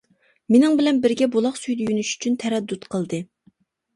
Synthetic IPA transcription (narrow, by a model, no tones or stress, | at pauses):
menɪŋbɪlɛnbɪɾɡʲɛbolˠɑχsyjd̪ɛjynyʃy̥t͡ʃʰynt̪ʰɛɾɛd̪ːut̪qʰəlˠd̪ɨ